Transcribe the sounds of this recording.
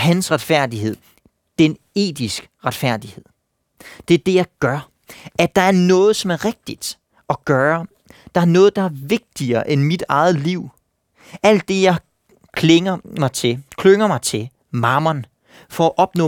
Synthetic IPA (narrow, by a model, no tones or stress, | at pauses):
hænsʁɑ̈d̥fæɐ̰d̥iɦe̝ð̞̰ˠ | d̥en | e̝̰ːd̥isɡ̥ʁɑd̥fæɐ̰d̥ihe̝ð̰ˠ | d̥e̝æɐd̥e̝jɑ̈ɪɡ̥ɶɐ | ʔæ̥ɑ̈æɐnɔ̽ːð̞̩ˠsɒ̽mæɐʁeɡ̥̚d̥id̥ | ɒ̽ɡ̥ɶːɐ | d̥ɑ̈æɐnɔ̽ːð̞̩ˠd̥ɑ̈æɐʋe̝ɡ̥̚d̥iɐːʔenmid̥ɑ̈ɪð̞̩ˠliʊ̰ | æl̰d̥ːe̝jɑ̈ɪ | kʰleŋɐmɑ̈ɪt͡sʰe̝kʰløŋɐmɑ̈ɪt͡sʰe̝ | mɑ̈mɐn | fɒæʔɒ̽b̥nɔ̰ː